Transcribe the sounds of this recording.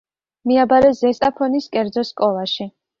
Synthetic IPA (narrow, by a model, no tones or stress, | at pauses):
miabaɾɛzɛst̪ʼapʰɔniskʼɛɾd̪zɔskʼɔlˠaʃi